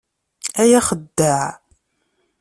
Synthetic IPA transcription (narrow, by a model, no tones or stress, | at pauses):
æjæχəd̪ːəʕ